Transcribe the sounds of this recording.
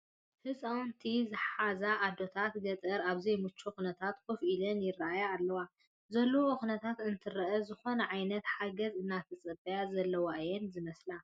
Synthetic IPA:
hɨt͡sʼawnt̪ʰizɨħazaʔːd̪o̞t̪ʰat̪ɡɐt̪ʼɨɾaβzejmut͡ʃʰːoxunɐt̪ʰat̪kʰɨfʔilɐnjɪraʔajaːlːɐwa | zɐlːooʔɨxunɐt̪ʰat̪ɨnt̪ʰɨɾɐʔɐzɨxo̞nɐʕajnɐt̪ħaɡɐzɨnːat̪ʰɐt͡sʼɐbɐjazɐlːɐwaʔɨjɛnzɨmɐsla

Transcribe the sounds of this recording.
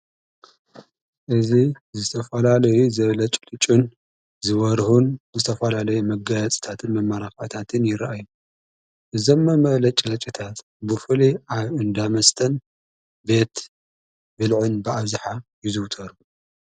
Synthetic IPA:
ʔɨzi | zɨt̪ʰɐfɐlalɐjuzɐβlɐt͡ʃʼlʼɨt͡ʃʼːun | zɨβɐɾhunzɨt̪ʰɐfɐlalɐjumɐɡɐjɐt͡sʼi̥t̪ʰat̪ʰɨnmɐmːaɾaxat̪ʰat̪ʰɨnjɪɾaʔaju | ʔɨzomːɐmɐɣlɐt͡ʃʼlɐt͡ʃʼit̪ʰat̪ | bɨfɨliʔaβɨnd̪amɐst̪ʰɐn | be̞t̪ | bɨlʕʊnbɨʔaβzaħajɪzɨwt̪ʰɐɾu

